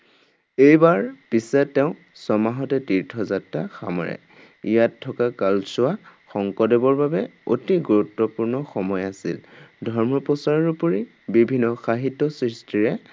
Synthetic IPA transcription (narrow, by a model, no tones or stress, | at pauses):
ejbaɹpisɛtːɛʊ̃ | sɔmaɦɔtɛtiɹtʰɔzatɹaxa̰mɔ̰ɹɛ̰ | ijatʰːɔkakalsʊwaxɔŋkɔdebɔɹbabɛo̰tiɡuɹutːɔpuɹnɔxɔmɔjasḭldʱɔɹmɔpɔsaɹɔɹupoɹi | bibʱinːɔxaɦitːɔsɹistʰiɹɛ